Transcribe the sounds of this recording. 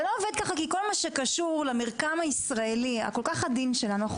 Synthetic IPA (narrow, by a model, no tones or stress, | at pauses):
looved̪̚kaχakiko̞lmaʃe̞kaʃuʁlameʁkamaisʁae̞lia̰ko̞lkaχad̪inʃelanuaχ